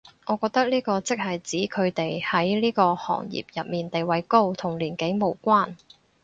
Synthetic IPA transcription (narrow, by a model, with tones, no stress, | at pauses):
ŋɔː˨˧kɔː˧k̚t̪ɐ˥k̚liː˥kɔː˧t͡sɪ˥k̚hɐ˨jt͡siː˨˥kʰɵ˨˧ɥt̪e˨jhɐ˨˥jliː˥kɔː˧hɔ̰ː˨˩ŋjḭː˨p̚jɐ˨t̚miː˨˩nt̪e˨jwɐ˨˥jko˥wt̪ʰʊ˨˩ŋliː˨˩nke˨˥jmo˨˧wkʷaː˥n